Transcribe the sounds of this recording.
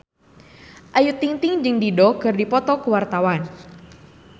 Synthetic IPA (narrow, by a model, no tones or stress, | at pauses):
ʔajut̪iŋt̪ɪŋd͡ʒɨŋdidɔkɨrdipɔt̪ɔkuwart̪awan